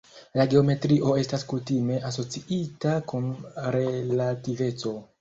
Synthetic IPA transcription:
laɡe̞o̞me̞tɾiʔo̞e̞staskutime̞ʔas̬o̞t͡siʔitakunɾe̞lative̞t͡so̞

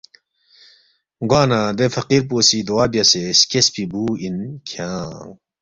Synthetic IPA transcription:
ɡwaːnad̪efɐqiɾp̬oːsid̪uwaːbijɐseskespibuːinkʰjãː

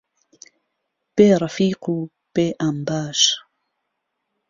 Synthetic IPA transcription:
b̥eːɾˤɑfiːqu | b̥eʔambaːʃ

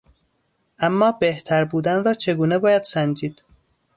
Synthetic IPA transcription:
ʔæmːɒːbeht̪ʰæɾbuːd̪ænɾɒːt͡ʃʰe̞ɡuːnebɒːjæd̪̥sænd͡ʒiːd̪̥

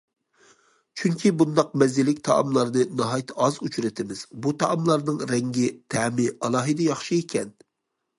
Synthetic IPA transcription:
t͡ʃʰyŋkʲʰibund̪ɑq̚mɛzɪlɪkʲt̪ʰɑ̰ɑ̰mlˠɑɾnɨnɑɦɑjt̪ʰɑzut͡ʃʰɾɪt̪ʰɪmɪz̥but̪ʰɑʔɑmlˠɑɾnɨŋɾɛŋɡʲɪt̪ʰɛmɪʔɑlˠɑːɦɨd̪ɛjɑχʃɨekʲʰɛn

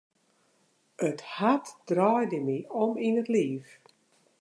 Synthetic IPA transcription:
əthatd̥raːjdəmiɔminətliːf

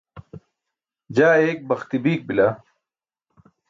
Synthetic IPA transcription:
d͡ʑaːeːk̚bɐxt̪ibiːk̚bila

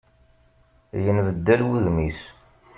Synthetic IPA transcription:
jənvəd̪ːælwiðmis

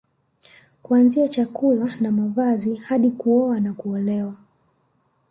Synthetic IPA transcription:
kuanziat͡ʃakulanamavazihaɗikuɔanakuɔlɛwa

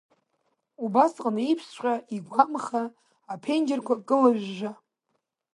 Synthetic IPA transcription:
ubasqʼnaipʰst͡ʃʷʲʼaiɡʷamχa | apʰend͡ʒɪrkʷʰakʼɨlaʒᶣːʷa

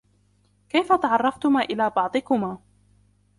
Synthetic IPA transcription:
kajfat̪ɑʕɑrˤːɑft̪ʊmaːʔɪlaːbɑʕd̪ˤɨkʊmaː

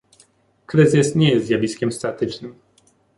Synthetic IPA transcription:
kɾɘzɘsɲɛjɛst̪zʲjavʲiskʲɛmst̪at̪ɘt͡ʂnɘm

